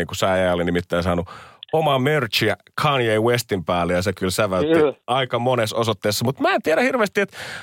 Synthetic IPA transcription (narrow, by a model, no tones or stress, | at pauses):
iːŋkusæˑːjæolinimit̪ːæisɑːnuomɑmørt͡ʃiækʰɑnjeiwest̪impæːlːejɑsekylsæʋæltiɑikɑmonesosot̪ːeːsːɑmut̪mæːent̪iæɾæhirʋeːst̪iet̪